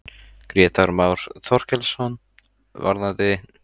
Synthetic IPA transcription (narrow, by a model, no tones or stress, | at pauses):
kɾjɛːt̪aɾmaːwɾ̥θʰɔr̥cɛlsɔn | va̰ɾðaðɪ